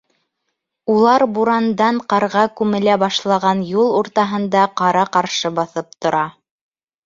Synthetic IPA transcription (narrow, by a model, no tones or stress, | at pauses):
ulˠɑɾbuɾɑnd̪ɑɴqɑɾʁɑkʉmɘ̆læbɑʃlˠɑʁɑnjulˠuɾt̪ɑɦɤ̆nd̪ɑqɑɾɑqɑɾʃɤbɑθɤp̚t̪ŏɾɑ